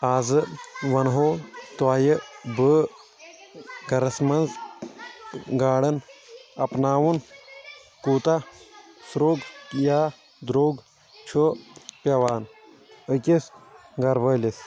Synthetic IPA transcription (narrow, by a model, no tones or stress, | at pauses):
aːzɨʋɐnɦoːt̪waːjəbəː | ɡɐɾɐsmɐnz | ɡaːɽɐnɐpnaːwun | kuːt̪asɾoːɡjaː | d̪ɾoːɡ | t͡ʃʰopʲɐʋaːn | əkʲisɡɐɾʋɐlis